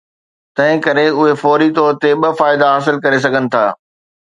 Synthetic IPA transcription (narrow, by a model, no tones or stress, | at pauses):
t̪ɐ̃ɦɪ̃kɐɾeʊɦefɔːɾit̪ɔːɾt̪eɓɐfaːɪd̪aɦaːs̬ɪlkɐɾes̬ɐɡʱənɪ̆t̪ʰa̰ː